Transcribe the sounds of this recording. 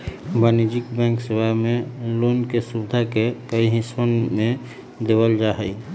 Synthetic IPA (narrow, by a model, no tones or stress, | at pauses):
baːnid͡ʒikbɛ̃ːŋksiwamẽlonkesubɪd̪ʱakekəiɦisənmẽ | d̪eːwəld͡ʒaɦəi